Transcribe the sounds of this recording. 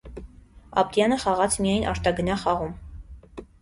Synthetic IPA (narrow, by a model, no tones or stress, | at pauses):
ɑ̰p̚t̪jɑnəχɑʁɑt͡sʰmijɑjnʔɑ̰ɾt̪ɑɡənɑχɑʁum